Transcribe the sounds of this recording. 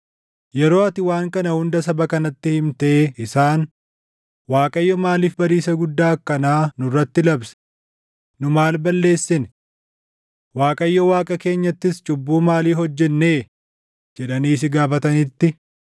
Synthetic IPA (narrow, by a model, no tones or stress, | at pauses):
jɛɾo̞ːɐt̪ɪwaːŋkɐnɐhʊnd̪ɐsɐbɐkɐnɐt̪ːɪhɪmt̪ɐeːɪsaːn | waːkʼɐjːɔmaːliːfbɐɾiːsɐɡʊd̪ːaːkːɐnaːnʊrːɐt̪ːɪlɐbsɛ̥ | nʊmaːlbɐlːe̞ːsːɪn | waːkʼɐjːɔwaːkʼɐke̞ːɲːɐt̪ːɪst͡ʃʼʊbːuːmaːliːɦɔd͡ʒːɛnːeː | d͡ʒɛᶑɐniːs̬ɪɡaːfɐt̪ɐnɪt̪ːɪ